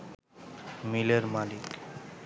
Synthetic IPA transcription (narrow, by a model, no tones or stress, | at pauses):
mileɾmalik